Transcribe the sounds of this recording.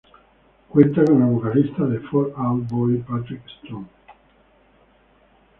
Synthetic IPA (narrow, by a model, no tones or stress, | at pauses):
kwent̪akonavokalist̪ad̪efɔɾabɔjpat̪ɾikst̪on